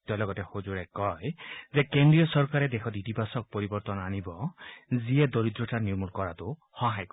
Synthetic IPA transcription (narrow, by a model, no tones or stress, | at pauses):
t̪ɔlɔɡɔtexozuɾekɔjzekendɹijɔsɔɹkaɾed̪ekʰɔt̪it̪ipasɔk̚pɔɾibɔɾt̪ɔnanibɔzied̪oɾid̪ɾɔʈaniumulkɔɾat̪u | hɔɦajk